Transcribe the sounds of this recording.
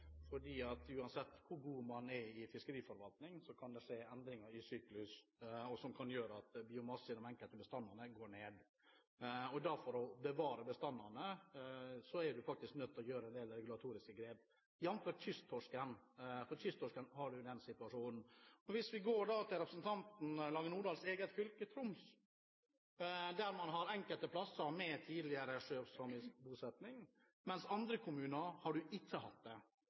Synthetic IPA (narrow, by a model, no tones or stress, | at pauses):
fɔɖiːɑt̪ʉːɑnsɛt̪ːkʰʊɾɡuːmɑnɛɾɪfɪskəɾiːfɔɾʋɑlt̪nɪŋsɔkʰɑnd̪ɛʂeːɛnd̪ɾɪŋɑɾɪsyːklʉsɔsɔmkʰɑnjøːɾəɑt̪bɪʊmɑsɪd̪ɔmɛŋkəlt̪əbəst̪ɑnːɑnəɡoːɾɳeːd̪ | ɔd̪æɾfɔɾɔbəʋɑːɾəbəst̪ɑnːɑnə | sɔɛjɖʉfɑk̚t̪ɪsknœt̪ʰːlɔjøːɾəɛnd̪eːlɛɾɛɡʉlɑt̪ʰuːɾɪskəɡɾeːp | jɛnføːʈçʏst̪ʰːɔʂkənfɔɾtʏst̪ʰɔʂkənhɑɖʉd̪ɛnsɪt̪ʉɑʂuːnn̩ɔʋɪsʋɪɡoːɖɑːt̪ʰɪlɾɛpɾəsn̩t̪ʰɑnt̪n̩lɑːŋənuːɖɑːlseːɡət̪fʏlkət̪ʰɾʊms | d̪æɾmɑnɦɑɾɛŋkəlt̪əpʰlɑsːəɾmɛt̪ʰiːd̪lɪəɾəʂøːʋsɔmɪskbuːsɛt̪nɪŋ | mɛnsɑnd̪ɾəkʰʊmʉːnəɾhɑɖʉʔɪt͡ʃːəhɑ̰t̪̚d̪ɛ